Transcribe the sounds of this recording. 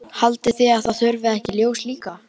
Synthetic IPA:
halt̪ɪθiaðθaðθœɾvɪðɛhcɪljoːwsliːka

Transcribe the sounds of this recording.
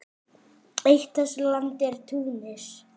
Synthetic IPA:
ejht̪aslant̪ɛɾ̥t̪ʰuːnɪɾ̥

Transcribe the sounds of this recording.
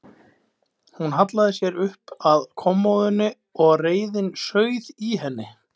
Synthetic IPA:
hunɦat̪laðɪsjɛɾʏhpaðkʰɔmːowðʏnːʏ | ɔɣreːjðɪnsœːɥðiɦɛnːɪ

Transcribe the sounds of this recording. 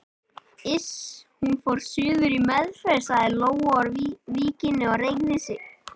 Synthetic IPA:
ɪshunfowɾ̥sʏːðʏɾimɛðfɛɾsaðɪloːwaaɾviːcɪnːɪɔrejknɪsɪ

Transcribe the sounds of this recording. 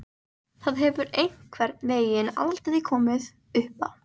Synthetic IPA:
θaðɦɛvʏɾejŋ̥kʰvɛɾt̪nveːjɪna̰ðlt̪ɪðikʰɔːmɪð | ʏhpa̰

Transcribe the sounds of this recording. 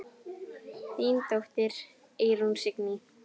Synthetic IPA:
t̪iːnt̪owht̪ɪɾ | eːɾunsɪkni

